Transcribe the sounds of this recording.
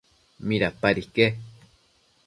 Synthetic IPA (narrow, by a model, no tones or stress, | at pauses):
miɾapaɾike